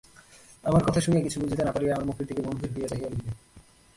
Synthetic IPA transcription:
amaɾkɔt̪ʰaʃunijakit͡ɕʰubud͡ʑʱit̪enapaɾieamaɾmukʰiɾd̪ʰʱikemombʱiɾɦojat͡ɕaɦijolibe

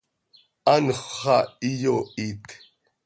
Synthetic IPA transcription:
anχχaijoit̪

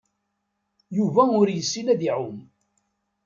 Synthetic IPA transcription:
juvæʊɾjəsːilæðiʕʊm

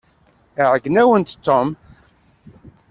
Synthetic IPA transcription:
ʕəɡnæwənt̪t̪ːom

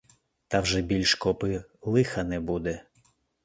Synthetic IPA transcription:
t̪ɐwʒɛbʲilʲʃkɔpɪlˠɪxɐnɛbud̪ɛ

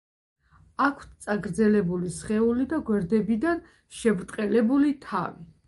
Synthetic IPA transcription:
akʰt̪t̪sʼaɡɾd̪zɛlɛbulisχɛulid̪aɡwɛɾd̪ɛbid̪an | ʃɛbɾt̪ʼqʼɛlɛbulit̪ʰa̰vi

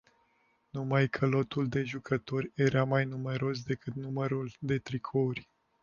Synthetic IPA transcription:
numajkʰəlo̞t̪uld̪e̞ʒukʰət̪o̞rʲeɾamajnume̞ɾo̞s̬d̪e̞kɨt̪numəɾuld̪e̞t̪ɾikʰourʲ

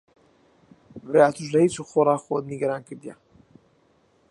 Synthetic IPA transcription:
breaːt̪ʰuʃlɐhit͡ʃuxorˤɑːxod̪niɡɐɾaːnkʰɨɾd̪ija̰

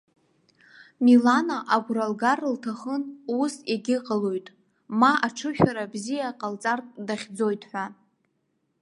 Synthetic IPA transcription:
milanaʔaɡʷɾalɡarltʰaχənusaɡʲɪqʼəlojtʼ | maʔaʈ͡ʂʰɨʃᶣaɾabzijaqʼalt͡sʼartʼdaχʲd͡zo̞jtʼħʷᶣa

